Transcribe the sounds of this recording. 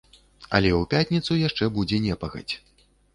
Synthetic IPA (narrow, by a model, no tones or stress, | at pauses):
ɐ̰lʲɛupʲatʲnʲit̪sujaʂt͡ʂɛbud͡zʲɛnʲɛpɐɣɐ̰t͡sʲ